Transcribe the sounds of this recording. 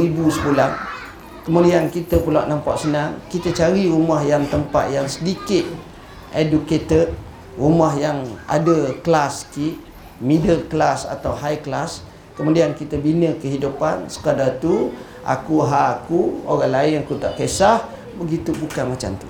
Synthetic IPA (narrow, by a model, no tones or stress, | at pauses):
ɾibusəpulan | kəmudiankit̪əpulaʔnampaʔsənaŋkit̪ət͡ʃaɾiɾumahjaŋt̪əmpa̰t̪̚jaŋsədikɪt̪̚ | ʔeduket̪ə | rumahjaŋa̰dəklaskiʔ | mĩdəlklasa̰t̪awɦajklas | kəmudiankit̪əbinəkəɦidupansə̥kadat̪u | ʔa̰kuɦaːkuoɾaŋlaɪnakut̪aʔkesah | bəɡit̪ubukanmat͡ʃa̰mt̪ṵ